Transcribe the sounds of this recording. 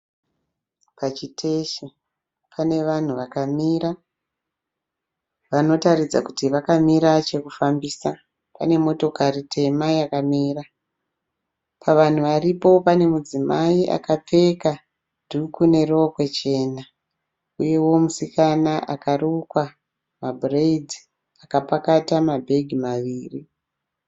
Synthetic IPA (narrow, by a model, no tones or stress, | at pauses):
pat͡ʃitʰeʃi | pʰane̞ʋan̤uʋakamiɾa | ʋano̞taɾid͡za̰kutiʋakamiɾat͡ʃe̞kufambiːsa | pa̰ne̞mo̞to̞karitʰe̞majakamiːra | paʋan̤uʋaripo̞pane̞mud͡zimaiʔa̰kap͡fe̞ka | dʱukune̞rokwe̞t͡ʃe̞ːna | uje̞wo̞musikanaʔakarukwa | mabʱreid͡zi | akapakatamabʱe̞ɡʱimaʋiːri